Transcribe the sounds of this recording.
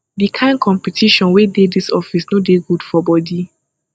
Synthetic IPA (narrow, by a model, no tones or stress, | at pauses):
dikʰãɪ̃nkʰɔ̃mpitʰiʃɔ̃nwededisɔfisnodeɡudfɔbɔdi